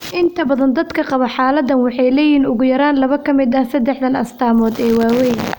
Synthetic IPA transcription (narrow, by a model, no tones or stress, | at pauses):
ʔɪnt̪ʰɐbɐðɐnd̪ɐd̪kʰɐqɑβɐħɑːlɐd̪ɐnwɑħɑjlɛːjiːnʊɣʊjɐɾaːnlɐβɐkʰɐmɪd̪ɐsɐd̪ɛħd̪ɐnɐst̪ʰaːmɔːd̪ɛːwaːwɛjn